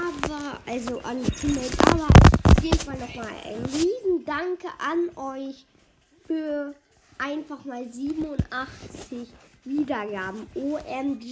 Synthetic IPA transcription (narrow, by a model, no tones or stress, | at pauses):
ʔaːbɐʔalzoʔanɡət͡sʰunətʔa̰ːbɐʔaʊfjeːdn̩falnɔχmaːla̰ɪnʁiːzn̩daŋkəʔanʔɔʏç | fyːɐ | ʔaɪnfaχmaːlziːbm̩ʊntʔaχt͡sɪçviːdɐɡaːbm̩ʔoʔɛmd